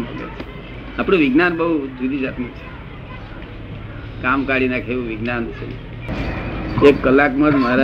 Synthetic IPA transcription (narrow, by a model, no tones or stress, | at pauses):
mbəɡḛt͡ʃʰe̥ | apɽ̃ũʋiɡnanbəɦud͡ʒʱud̪id͡ʒat̪nũt͡ʃʰe̥ | kamkaɽinakʰeʋũʋiɡnant͡ʃʰḛ | ekkəlːakmãd͡ʒmaɾa